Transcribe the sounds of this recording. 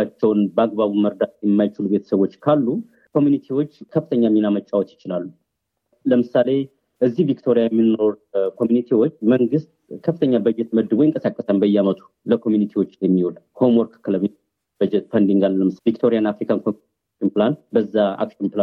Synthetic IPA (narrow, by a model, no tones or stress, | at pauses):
at͡ʃːɛwnbəaɡbaβuməɾd̪at̪jɛmːajt͡ʃɪlube̞t̪ʰə̥səβwo̞t͡ʃːkʰalːu | kʰo̞mjunit̪ʰiwo̞t͡ʃːkʰəfːɨt̪ʰəɲːamːinamət͡ʃʼːawot̪ːjɪt͡ʃɪlalːu | ləmɨsale̞ | ʔɨzːihvikt̪ʰo̞ɾijajɛmːino̞ɾkʰo̞mjunit̪ʰiwo̞t͡ʃːməŋɡɨst̪̚kʰəfːɨt̪ʰəɲːabəjːɛt̪məd̪ːɨbojɨŋkʼəsakʼːəsambəjɛamət̪ʰu̥ | ləkʰo̞mjunit̪ʰiwo̞t͡ʃːɛmːihod̪ho̞mɔɾkʰɨ̥kʰːləmin | bəd͡ʒɛt̪fənd̪iŋɡalːəmɨsvikt̪ʰo̞ɾijanːafɾikʰankʰom | ʃɪnplanbəzːaa̰kʃɪnpla